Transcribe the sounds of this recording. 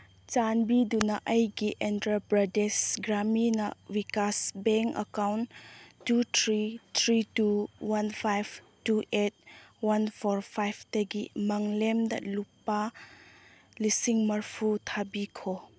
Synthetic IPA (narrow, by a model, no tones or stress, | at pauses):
t͡ʃanbidunaʔɐjɡiʔendɾabɾɐdesɡɾaminɐ̰wikasbeŋɐ̰kawntːut̪ʰɾit̪ʰɾituwanpʰajb | tuʔet̚wanpʰoɾpʰajbteɡimɐŋlemdɐ̰lupːa | lisiŋmɐɾpʰutʰabikʰo